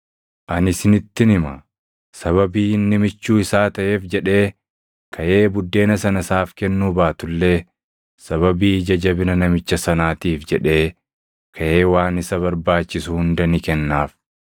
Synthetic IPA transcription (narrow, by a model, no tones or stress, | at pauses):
ʔɐnɪsɪnɪt̪ːɪnɪmɐ | sɐβɐbiːɪnːɪmɪt͡ʃːuːɪsaːt̪ɐʔe̞ːfd͡ʒɛᶑe̞ː | kʰɐʔe̞ːbʊd̪ːe̞ːnɐsɐnɐsaːfkɛnːuːbaːt̪ʊlːe̞ː | sɐβɐbiːd͡ʒɐd͡ʒɐbɪnɐnɐmɪt͡ʃːɐsɐnaːt̪iːfd͡ʒɛᶑe̞ː | kʰɐʔe̞ːwaːnɪsɐβɐɾbaːt͡ʃːɪsʊhʊnd̪ɐnɪkɛnːaːf